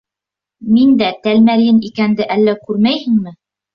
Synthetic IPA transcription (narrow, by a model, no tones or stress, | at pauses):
mind̪æt̪ælmæɾjɘnikænd̪ɘʔælːækʉɾmæjhɘ̆ŋmɘ